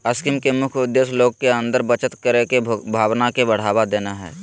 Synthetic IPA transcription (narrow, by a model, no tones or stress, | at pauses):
ɐskɪmkemʊkʰʊd̪ːeːsloːɡkeə̃nd̪əɾbət͡ʃət̪kəɾekebʱaːʋnakebɐɽ̤aːʋad̪eːnaɦɛ̰ː